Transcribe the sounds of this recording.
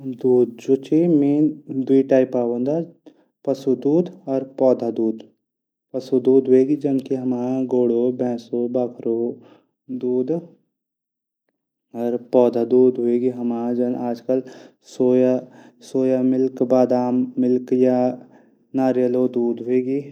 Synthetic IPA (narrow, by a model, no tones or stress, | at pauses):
d̪uːd̪̚d͡ʒoːt͡ʃimeːnd̪wiʈaːɪpaːbənd̪a | pɐsud̪uːd̪ɔːɾpɔːd̪ʱad̪uːd̪ | pɐsud̪uːd̪ɦʊeːɡid͡ʒɐnkiɦɐmaːaɡoːɽobʱɛ̃ːsobaːkʰɾo | d̪uːd̪ | ɔːɾpɔːd̪ʱad̪uːd̪ɦʊeːɡiɦɐmãːd͡ʒɐnaːd͡ʒkəl | soːjasoːjamɪlkbaːd̪aːmːɪlkja | naːɾjəlod̪uːd̪ɦʊeːɡiː